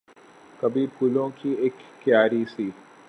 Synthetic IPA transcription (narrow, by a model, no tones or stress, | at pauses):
kɐbʱipulõkieːkːjaːɾisiː